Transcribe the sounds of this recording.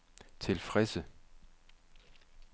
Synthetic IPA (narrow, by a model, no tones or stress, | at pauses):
t͡sʰe̝lfʁɛsə